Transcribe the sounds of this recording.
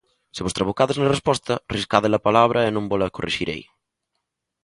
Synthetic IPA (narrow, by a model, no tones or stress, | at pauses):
seβost̪ɾaβokaðeznarespɔst̪ɐriskaðelɐpalaβ̞ɾɐenõmbolɐkorḛʃiɾḛj